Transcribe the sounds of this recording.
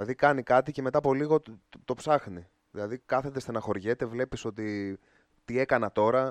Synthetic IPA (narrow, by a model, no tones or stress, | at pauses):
ɐðikɐnikɐt̪ice̞me̞t̪ɐːpo̞liɣo̞t̪o̞psɐxni | ðilɐðikɐθe̞t̪e̞st̪enɐxo̞ɾʝe̞t̪e̞vle̞piso̞t̪i | t̪ie̞kɐnɐt̪o̞ɾɐ